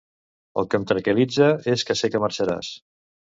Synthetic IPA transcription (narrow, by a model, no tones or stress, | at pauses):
ə̰lˠkəmt̪ɾəkəlid͡zəeskəsekəməɾt͡ʃəɾa̰s